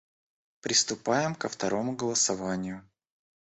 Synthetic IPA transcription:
pɾʲɪst̪ʊpajɪmkəft̪ɐɾo̞mʊɡəlˠəsɐvanʲɪjʊ

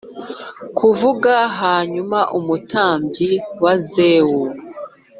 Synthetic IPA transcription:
kʰuvuɡaɦaːɲumaʔumutʰaːmbjiwazeːwu

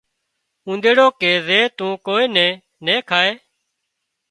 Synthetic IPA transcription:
ũːnd̪eːɽoːkeːzeːt̪ũːkoːeːnɛ̃ː | neːkʰaːeː

